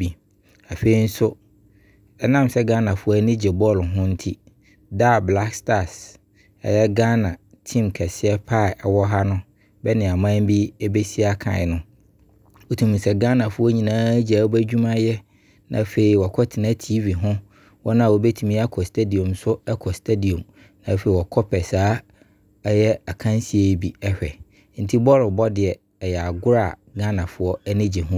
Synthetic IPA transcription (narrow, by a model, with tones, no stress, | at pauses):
bi˨ | a˨fe˨i˨˦n̩˦sʊ˦ | ɛ˦nã˦˨msɛ˦ɡa˦nã˨fʊ˦a˦nĩ˦d͡ʑɛ˨bɔ˦˨lɦʊ̃˦n̩˦tʰi˦ | da˦˨bla˦ksta˦˨s | ɛ̰˨jɛ˦ɡã˦nã˨ | tʰĩ˦mkʰɛ˨sɪ˦ɛ˦pʰa˦˨ɛ˨wɔ˦ɦa˦nʊ̃˦ | bɛ˦nɪ̃˨a˨mã˦m˦bi˦ɛ˦be˦si˦a˦kʰã̰˨nʊ̃˦ | wo˨tʰũ˨mũ˨sɛ˨ɡã˦nã˨fʊ˦ɔ˦ɲĩ˨nãː˦d͡ʑa˨wo˦bæ˦d͡ʑᶣu˦mã˦jɛ˦ | nã̰˨˦fe˨i˨wɔ˨kʰɔ˦tʰɪ˨nã˦tʰi˦vi˨ɦʊ̃˦ | wɔ˦nã˦a˨wo˨be˦tʰĩ˨mĩ˦a˦kʰɔ˨stʰe˦di˨ɔ̃˨msʊ˦ɛ˦kʰɔ˨stʰe˦di˨ɔ̃˨m | nã˨˦fe˨i˨wɔ˨kʰɔ˦pʰɛ˨saː˦ | ɛ˦jɛ˦a˨kʰã˦nsi˦e˨˦bi˨ɛ˦ɕᶣɛ̰˨˦ | n̩˦tʰi˦bɔ˦ɾɪ˨bɔ˦dɪ˨ɛ˨ | ɛ˨jɛ˨a˨ɡʊ˦ɾa˦˨ | ɡã˦nã˨fʊ˦ɔ˦ɛ˦nɪ̃˦d͡ʑɛ˨ɦʊ̃˦